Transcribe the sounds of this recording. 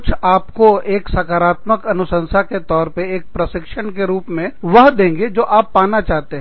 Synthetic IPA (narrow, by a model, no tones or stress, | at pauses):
t͡ʃʰaːpkoeːksaːkaːɾaːt̪məkɐnʊsə̃nsaket̪ɔːɾpeeːk̚pɾɐsɪkʃəɽ̃keɾuːpmẽʋɐɦd̪ẽːŋɡed͡ʒoːʔaːpːaːnat͡ʃaːɦt̪eɦɛ̃